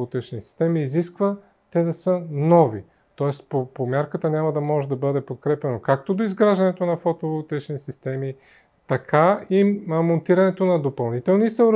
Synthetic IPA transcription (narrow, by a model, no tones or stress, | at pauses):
t̪ɛt͡ʃnisi̥st̪ɛmiːziskvə | t̪ɛd̪ɐsənɔvi | t̪ɔɛst̪popomʲjaɾkət̪ənʲamɐd̪ɐmɔʒɛd̪ɐbɤd̪ɛpot̪̚kɾɛpɛnokak̚t̪od̪oizɡɾaʒd̪ɐnɛt̪onɐfɔt̪ovt̪ɛt͡ʃnisist̪ɛmi | t̪ɐkʰaimont̪iɾɐnɛt̪onɐd̪opɐlˠnit̪ɛlˠnisəʊɾ